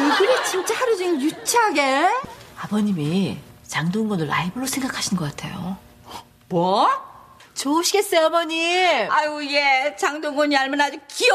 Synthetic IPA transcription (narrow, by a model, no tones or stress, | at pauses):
ɡɯɾet͡ɕint͡ɕ͈ahaɾod͡ʑiŋinjut͡ɕʰaaɡeabʌɲimit͡ɕaŋdoŋɡʌnɯɭa̰ibɯɾosʰe̞ŋɡakʰaɕʰinɡʌk͈atʰe̞̰jo̰ | mwʌ | t͡ɕouɕʰiɡe̞s͈ʌjoabʌɲiauɡet͡ɕaŋdoŋɡʌɲiaɭmanad͡ʑuki